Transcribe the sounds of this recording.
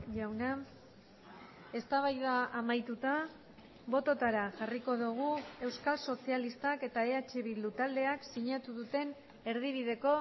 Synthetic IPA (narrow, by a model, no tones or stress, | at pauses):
ʝawna | e̞st̪aβajðaːmajt̪ut̪a | βo̞t̪o̞t̪aɾaʝariko̞ðuɣ̞ue̞wskalso̞sialist̪ake̞t̪ae̞at͡ʃeβild̪ut̪ald̪e̞aksiɲat̪uðut̪e̞n | e̞ɾðiβ̞ið̞e̞ko̞